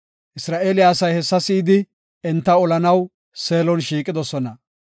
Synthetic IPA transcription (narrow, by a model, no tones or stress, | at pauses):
ʔɪsɾaːʔeːlɪjaːsɐjhɛsːɐsiːd̪ɪ | ɛnt̪ːɐɔlɐnɐw | se̞ːlɔnʃiːkʼɪd̪ɔsɔnɐ